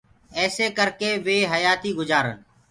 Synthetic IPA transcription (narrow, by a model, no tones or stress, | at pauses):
ɛːseːkəɾkeːʋeːɦəjaːt̪iːɡʊd͡ʒaːɾə̰n